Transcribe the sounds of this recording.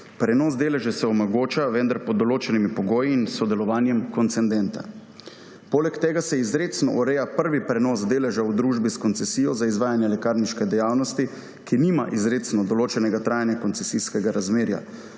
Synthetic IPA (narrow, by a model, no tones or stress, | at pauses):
pɾɛnɔːzd̪eːlɛʒɛsɛɔmɔɡoːt͡ʃaʋɛnd̪aɾpɔd̪ːɔloːt͡ʃɛnimipɔɡoːjiːnsɔd̪ɛlɔʋaːnjɛmkɔnt̪sɛnd̪ɛnt̪a̰ | poːlɛkt̪ɛːɡasɛizɾeːt̪snɔ̰ʔɔɾɛjapəɾʋipɾɛnɔːzd̪eːlɛʒawd̪ɾuːʒbiskɔnt̪sɛsiːjɔzaizʋaːjanjɛlɛkaːɾniʃkɛd̪ɛjaːwnɔst̪i | kinima̰ʔizɾet̪snɔd̪ɔloːt͡ʃɛnɛɡat̪ɾaːjanjakɔnt̪sɛsiskɛɡaɾazmeːɾja̰